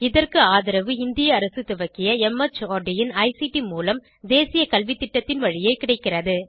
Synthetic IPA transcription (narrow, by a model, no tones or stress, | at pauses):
ɪðɐrkɯaːðɪɾɐʋɯɪnd̪ɪjɐːɾɐsɯt̪ɪʋɐkːɪjɐɛmɐt͡ʃːoːɖɪjɪnɐɪsiʈimuːlɐm | d̪eːsɪjɐkɐlʋit̪ːɪʈːɐt̪ːɪnʋɐɻɪjɐɪkːɪɽɐɪkːɪrɐðɯ